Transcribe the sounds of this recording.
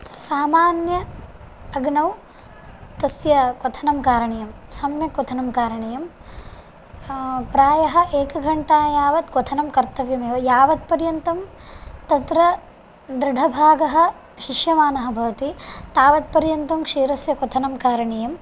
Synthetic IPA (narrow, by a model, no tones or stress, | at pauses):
saːmaːnjɐː | ɡnɐw | t̪ɐsjɐkot̪ʰɐnɐmkaːɾɐɳejɐmsɐmjɐkɔt̪ʰɐnɐmkaːɾɐɳejɐm | pɾaːjɐɦɐ̆ʔeːkɐɡʱɐɳʈaːjaːʋɐt̪kot̪ʰɐnɐmkɐɾt̪ɐʋjɐmeːʋɐjaːʋɐt̪̚pɐɾjɐnt̪ɐm | t̪ɐt̪ɾɐ | d̪ɾɪɖʱɐbʱaːɡɐɦɐ̆ | ʃiʃjɐmaːnɐɦɐ̆bʱɐʋɐt̪it̪aːʋɐt̪̚pɐɾjɐnt̪ɐmkʂiːɾɐsjɐkɔt̪ʰɐnɐmkaːɾɐɳejɐm